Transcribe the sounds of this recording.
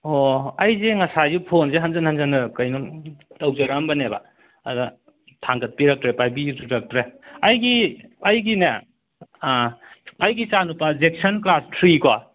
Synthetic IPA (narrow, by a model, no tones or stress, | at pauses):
oɐjzeŋɐsajupʰonzeɦanzɐnhanzɐnɯkɐjnumtɐwzɐɾambɐneba̰ | ɐda | tʰaŋɡɐt̚piɾak̚tɾepajbiuɾak̚tɾeɐjɡiɐjɡinɐ | ɐjɡit͡ʃanupɐzek̚sɐnklastʰɾikwa